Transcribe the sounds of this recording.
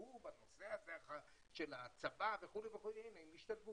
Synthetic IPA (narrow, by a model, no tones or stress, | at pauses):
ubano̞seazeaχa | ʃelat͡sabaveχuleveχulenaimiʃt̪alvu